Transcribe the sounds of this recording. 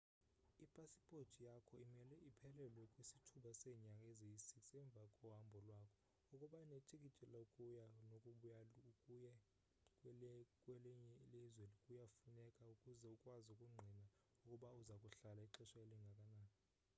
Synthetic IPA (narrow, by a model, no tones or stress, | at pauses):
ipʼasi̥pʼotʰʼijakʰɔimɛlɛʔipʰɛlɛlwɛkʼwisitʰuɓasɛɲakʼɛzejisiksɛɱb̪vakʼɔɦambʱɔlwakʰɔ | ukʼuɓainetʰʼik̬ʼit͡ʃʼɛlaukʼujanokʼujajɛ | kkʼwɛlɛɲɛlizwelikʼujafunɛkʼaukʼuzɛukʼwazukʼuŋ͡ǀʱina | ukʼuɓauzakʼuɬalaiǃɛʃaeliŋɡʱakʼanaː